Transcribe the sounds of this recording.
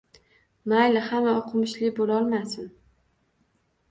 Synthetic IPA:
majlahamaoqʰɨmɪʃlɪbolɒlˠmasɪn

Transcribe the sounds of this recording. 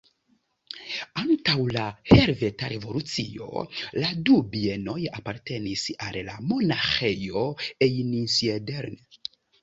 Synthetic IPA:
antawlaheɾveta̰ɾevo̞lut͡sio̞̰ladubie̞no̞japaɾte̞nisalla̰mo̞naxejo̞ejnisiedeɾn

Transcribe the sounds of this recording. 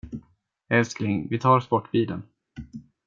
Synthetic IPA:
ɛlskɾɪŋvɪt̪ʰɑːɾspɔʈːbiːd̪ən

